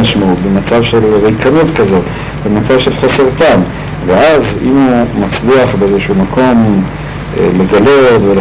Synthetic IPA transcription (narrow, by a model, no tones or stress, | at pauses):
aʃmeubemat͡savʃe̞lʁejkanut̪kazo̞t | bemat͡savʃe̞lχo̞se̞ʁt̪am | veʔazḭmumat͡sliaχbeezeʃumakʰo̞m | le̞ɡalo̞t̪vel